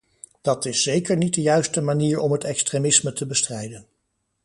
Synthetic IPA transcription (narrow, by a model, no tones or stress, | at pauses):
d̥ɑtɪsːejkəɹnit̚dəjœɥstəmaniːɹɔmɦətɛkstremɪsmətəbəstrɛjdən